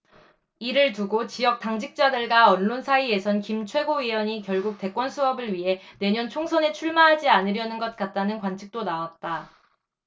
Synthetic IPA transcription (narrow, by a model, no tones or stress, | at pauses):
iɾɯɭtuɡot͡ɕijʌk̚t͈aŋd͡ʑʰik̚t͡ɕ͈adɯɭɡaʌnːonsʰaie̞sʰʌnkimt͡ɕʰwe̞ɡoɥiʌɲikjʌɭɡuk̚t͈e̞k͈wʌnsʰuʌbɯɭɥiɦe̞ne̞ɲʌnt͡ɕʰoŋsʰʌne̞t͡ɕʰuɭmaɦad͡ʑianɯɾjʌnɯnɡʌt̚k͈at̚t͈anɯnkwant͡ɕʰik̚t͈onawat̚t͈a